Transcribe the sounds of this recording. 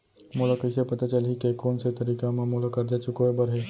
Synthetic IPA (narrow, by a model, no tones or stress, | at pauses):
molakəjsepət̪at͡ʃəlɦikekoːnset̪əɾiːkãmãmolakɐɾd͡ʒat͡ʃʊkoebəɾɦe